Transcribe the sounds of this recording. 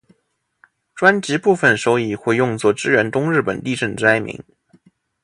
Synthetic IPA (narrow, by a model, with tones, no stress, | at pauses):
ʈ͡ʂwa˥nt͡ɕi˧˥pu˥˩fə˨˩nʂo˥ʊi˥˧˩xwe˥˧ɪjʊ˥˧ŋt͡swɔ˥˩ʈ͡ʂɻ̩˥ɥɛ˧˥nt̪ʊ˥ŋɻɻ̩˥˩pə̰˨˩nt̪i˥˧ʈ͡ʂə˥˩nʈ͡ʂ̩˥a˥ɪmḭ˧˥ŋ